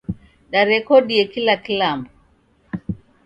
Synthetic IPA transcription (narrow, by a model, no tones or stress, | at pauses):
ɗaɾɛkɔɗiɛkilakilambɔ